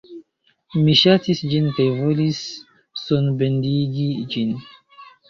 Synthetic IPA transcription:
miʃatisd͡ʒinkajvo̞lisː | onbendiɡid͡ʒin

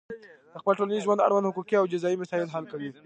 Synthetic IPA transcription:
d̪̥əxpəlʈolanizʒwand̪a̰ɽwand̪hʊkukiawd͡ʒɪzɑimasɑɪlɦalkawi

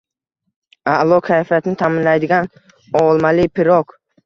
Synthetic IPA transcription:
aʔlˠɒkʰajfijat̪ʰɪnɪt̪ʰamɪnlajd̪ɪɡʲan | ɒlˠmalɪpʰɪɾɒk

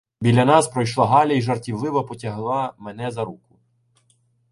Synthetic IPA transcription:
bʲilʲɐnɑspɾɔjʃlˠɑɦɑlʲɐiʒɐrtʲiʋlˠɪʋɐpɔtʲɐɦlˠɑmenɛzɐɾukʊ

